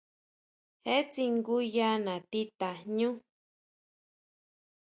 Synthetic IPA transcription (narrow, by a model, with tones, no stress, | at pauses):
he˦t͡si˧ŋɡu˦ja˦nã˨t̪i˦t̪a˨ɲũ˦